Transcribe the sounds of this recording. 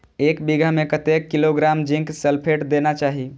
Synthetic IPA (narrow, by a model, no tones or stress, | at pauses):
ekbiɡʱamekət̪ekːiloɡɾamd͡ʒĩŋkselpʰeʈd̪enat͡ʃaɦi